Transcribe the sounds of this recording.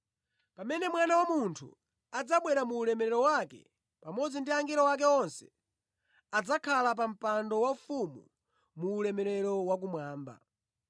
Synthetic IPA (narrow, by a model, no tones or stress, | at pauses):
pamɛnɛmwanawamuntʰṵ | ad͡zaɓwɛɾamuːlɛmɛɾɛɾɔwakɛ̰ | pamɔd͡zindiaŋɡiɾɔwak̬ɛɔnsɛ̥ | ad͡zakʰalap̬am̩pandɔwafumṵ | muːlɛmɛɾɛɾɔwak̬umwaːmba̰